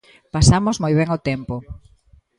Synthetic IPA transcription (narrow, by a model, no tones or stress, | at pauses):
pasamozmojβ̞ɛŋot̪ɛmpo